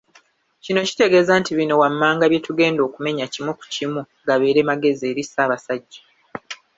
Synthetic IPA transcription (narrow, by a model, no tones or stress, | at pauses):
cino̞ci̥te̞ɡe̞ːzaːntiβino̞wamːaːŋɡaβje̞tuɡe̞ːndo̞ːkume̞ɲacimuku̥cimu | ɡaβe̞ːɾe̞maɡe̞zie̞ːɾisaːβasaɟːḁ